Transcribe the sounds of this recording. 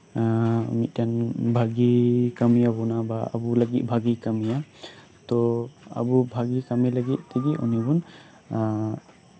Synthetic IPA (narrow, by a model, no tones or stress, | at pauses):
mit̪̚ˀtanbʱaɡikamijabɔnabaa̰buləɡit̪̚ˀbʱaɡikamija | t̪ɔa̰bubʱaɡikamiləɡit̪̚t̪iɡiʔṵnibun